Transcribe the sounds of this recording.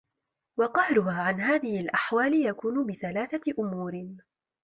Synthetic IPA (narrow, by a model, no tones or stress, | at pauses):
wɑqɑhɾʊɦaːʕanɦaːðɪhɪlʔaħwaːlɪjakuːnʊbɪθalaːθaʔʊmuːɾɪ